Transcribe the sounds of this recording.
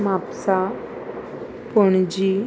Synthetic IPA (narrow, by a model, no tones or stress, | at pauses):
mapsa | pɔɳd͡ʑi